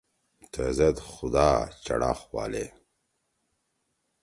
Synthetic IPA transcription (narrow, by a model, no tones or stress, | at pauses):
t̪ʰezɐd̪xʊd̪aːt͡ɕɐ̰ɽa̰ːxwɑ̰ːle